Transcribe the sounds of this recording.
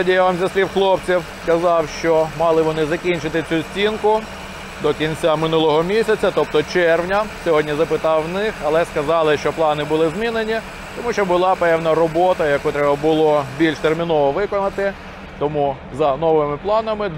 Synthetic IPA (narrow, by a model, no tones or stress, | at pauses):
ɐdʲijaʋamzʲɐsʲlʲiwxlˠɔpt͡sʲiwskɐzɑwʃt͡ʃɔmɑlˠɪʋɔnɪzɐkʲinʲt͡ʃɪt̪ɪt͡sʲusʲt͡sʲinkʊ | d̪ɔkʲinʲt͡sʲamɪnulˠɔɦɔmʲisʲɐt͡sʲɐt̪ɔp̚t̪ɔt͡ʃɛrwnʲɐsʲɔɦɔdʲnʲizɐpɪt̪ɑwnɪxɐlˠɛskɐzɑlˠɪʃt͡ʃɔplˠɑnɪbʊlˠɪzmʲinenʲi | t̪ɔmuʃt͡ʃɔbʊlˠɑpɛwnɐɾɔbɔt̪ɐjɐkut̪ɾɛbɐbʊlˠɔbʲilʲʃt̪ermʲinɔʋɔʋɪkɔnɐt̪ɪ | t̪ɔmu | zɐnɔʋɪmɪplˠɑnɐmɪ